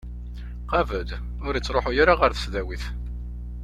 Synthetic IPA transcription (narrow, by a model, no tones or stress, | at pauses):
qɑvəd̪ | ʊɾit͡sːɾˤoħʊjaɾaʁəɾθə̥sðæwiθ